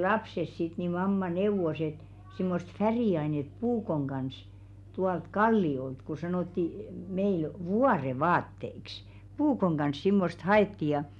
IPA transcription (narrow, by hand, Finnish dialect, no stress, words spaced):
lɑpses sit ni mɑmːɑ neuʋos et simːost færiˑɑinet puːkoŋ ɡ̊ɑns tuɑlt kɑlːiolt ko sɑnoˑtːi meil ʋuɑreʋɑːtːeiks puːkoŋ ɡ̊ɑns simːost hɑetːi jɑ